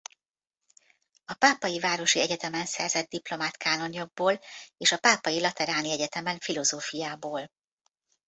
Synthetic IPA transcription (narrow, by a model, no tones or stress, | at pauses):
ɒpaːpɒjivaːɾo̞ʃiɛɟɛt̪ɛmɛnsɛrzɛd̪̚d̪iplo̞maːt̪kaːno̞ɲo̞ɡ̚boːleːʃɒpaːpɒjilɒt̪ɛɾaːniɛɟɛt̪ɛmɛɱfilo̞zoːfijaːboːl